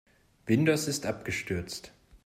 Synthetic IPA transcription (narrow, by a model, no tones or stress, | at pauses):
v̥ɪndosɪstʔap̚ɡ̥əʃtʏɐt͡st